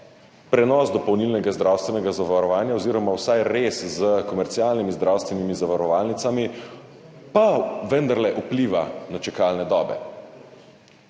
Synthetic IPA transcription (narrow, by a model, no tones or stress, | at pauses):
pɾɛnɔzd̪ɔpɔwnilnɛɡazd̪ɾawst̪ʋɛnɛɡazaʋaɾɔʋaːnjaoziːɾɔmawsajɾeszəkɔmɛɾt̪siaːlnimizd̪ɾawst̪ʋɛnimizaʋaɾɔʋaːlnit̪ami | paʋənd̪aɾlɛʔupliʋanat͡ʃɛkalnɛd̪ɔːbɛ̰